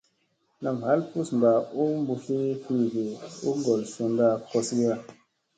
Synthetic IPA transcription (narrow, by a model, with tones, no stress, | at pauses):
na˨mha˨˦lpu˦smba˨u˦mbu˨fi˦fi˦ɡe˨u˦ɡɔ˨lsu˨nda˧kɔ˨sɡi˦a˨